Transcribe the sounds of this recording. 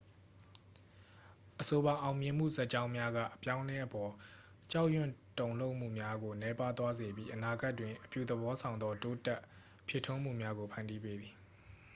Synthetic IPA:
ʔəso˨ba˨ʔã˨ʊ̃mjɪ̃˨m̥ṵ˦˨zɛ˦ʔt͡ɕã˦ʊ̃mja˦ɡa̰˦˨ʔəpjã˦ʊ̃lɛ˦ʔəpɔ˨ | t͡ɕa˦ʊʔjʊ̰̃˦˨tõ˨ʊ̃lo˦ʊʔm̥ṵ˦˨mja˦ɡo˨nɛ˨˦pa˦t̪wa˦ze˨bji˦ʔəna˨ɡa˦ʔtːwɪ̃˨ʔəpjṵ˦˨d̪əbɔ˦sʰã˨ʊ̃nd̪ɔ˦to˦tɛ˦ʔ | pʰje˨tʰʊ̃˦m̥ṵ˦˨mja˦ɡo˨pʰã˨ndi˦pe˦d̪ði˨

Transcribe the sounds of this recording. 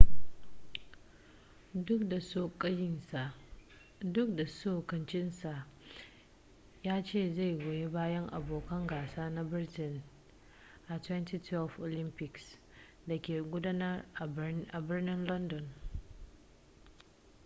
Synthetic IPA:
dʊ˦k̚da˨soː˦kʼɐ˦jɪ˦nsa˨ʔ | dʊ˦k̚da˨soː˦˨kɐ˨nt͡ʃɪ˦nsa˨ʔ | jaː˦t͡ʃeː˦˨za˦˨jɡʷoː˨je˦baː˦jɐ˦ŋʔa̰˨boː˨kɐ˦ŋɡaː˨saː˦na˦bɪ˦rtɪ˦˨n | ʔa˨twɛ˦nti˦tʰwɛ˦lfʔo˨lɪ˦mpɪ˨ks | da˨kʲeː˨ɡʷʊ˦daː˦nɐ˦rʔa˨ʔa˨bɪ˦rnɪ˦nlɔ˦ndɔ˨n

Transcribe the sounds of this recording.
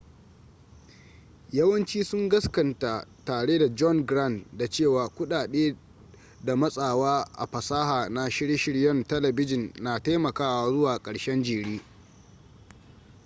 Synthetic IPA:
jɐ˦wɐ˦nt͡ʃiː˦sʊ˦ŋɡɐ˦skɐ˨nta˨taː˨ɽeː˦da˨d͡ʒɔ˦ŋɡɾa˦˨ndda˨t͡ʃeː˦˨waː˨kʷʊ˦ɗaː˨ɗeː˦ | da˨mɐ˦sʼaː˨waː˦ʔa̰˨ɸɐ˨saː˦haː˨na˦ʃɪ˦ɽe˦ʃɪ˦ɽjɐ˦ntɐ˦lɐ˨bɪ˦d͡ʒɪ˨nːaː˨ta˦jmɐ˨kaː˦wa˨zʊ˦waː˨kʼɐ˨ɽʃɛ˦nd͡ʒiː˨ɽiː˦

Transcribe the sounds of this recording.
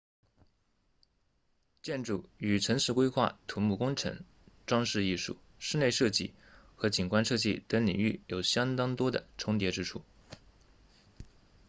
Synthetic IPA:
t͡ɕjɛ˥˩nʈ͡ʂu˥˩y˨˩ʈ͡ʂʰɤ˧˥ŋʂɻ̩˥˧kwe˥ɪxwa̰˥˩t̪ʰu˧˥mu˥˩kʊ˥ŋʈ͡ʂʰɤ̰˧˥ŋ | ʈ͡ʂwɑ˥ŋʂɻ̩˥˧i˥˧ʂṵ˥˩ | ʂɻ̩˥˧ne˥˧ɪʂɤ˥˧t͡ɕi˥˩ | xɤ˧˥t͡ɕi˨˩nkwa˥nʂɤ˥˧t͡ɕi˥˩t̪ə˧˥ŋlḭ˨˩ŋy̰˥˩jo˨˩ʊɕjɑ˥ŋt̪ɑ˥ŋt̪wɔ˥d̪ə̰˨ʈ͡ʂʰʊ˥ŋt̪̬jɛ˧˥ʈ͡ʂɻ̩˥ʈ͡ʂʰu˥˩

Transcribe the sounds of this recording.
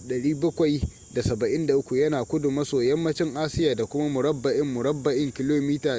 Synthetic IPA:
ɗɐ˨ɽiː˦bɐ˦kʷɐ˨j | da˨sɐ˨bɐ˨ʔɪ˦nda˨ʔʊ˦kʷu˨jɐ˦naː˨kʷʊ˦dʊ˨mːɐ˦soː˨jɐ˦mːɐ˦t͡ʃɪ˦ŋʔaː˦sɪ˦jaː˨da˨kʷʊ˦ma˦mʊ˨ɾɐ˦bːɐ˨ʔɪ˦mːʊ˨ɽɐ˦bːɐ˨ʔɪ˦ŋkʲɪ˨loː˦miː˦taː˨

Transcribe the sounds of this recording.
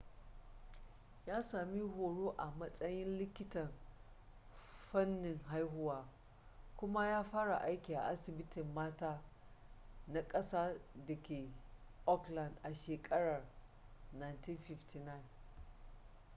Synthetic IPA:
jaː˦saː˨mi˦hoː˨ɽoː˦ʔa˨mɐ˦sʼɐ˦jɪ˦nlɪ˦kʲɪ˦tɐ˨n | ɸɐ˦nːɪ˨ŋɦa˦jɦʊ˦waː˦ | kʷʊ˦ma˦jaː˦ɸaː˦ɽa˨ʔa˦jkʲiː˨ʔa̰˨ʔa˦sɪ˨bɪ˦tɪ˨mːaː˦taː˦ | na˦kʼɐ˦saː˦dɐ˨kʲeː˨ʔɔ˦klɐ˨ndʔa˨ʃeː˨kʼɐ˦ɽɐ˨r | na˨jnti˦nɸɪ˦ftʰi˨na˦˨n

